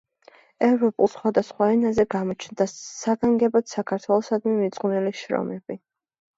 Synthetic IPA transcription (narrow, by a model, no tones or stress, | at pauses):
ɛvɾɔpʼulˠsχwad̪asχwaɛnazɛɡamɔt͡ʃʰnd̪asaɡaŋɡɛbat̪sakʰaɾt̪ʰwɛlˠɔsad̪mimit̪sʼqʼniliʃɾɔ̰mɛb̥i